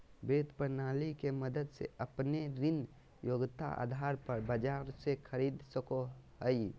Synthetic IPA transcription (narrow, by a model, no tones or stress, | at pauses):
bet̪pəɾnaːlikeməd̪əd̪sḛəpneɾɪn | joɡt̪a̰a̰ːd̪ʱaɾpəɾbəd͡ʒaːɾsekʰəɾid̪səkoɦəj